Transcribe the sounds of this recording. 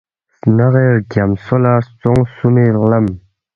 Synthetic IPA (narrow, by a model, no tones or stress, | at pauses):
naχeɡamsolat͡sɔŋsumelam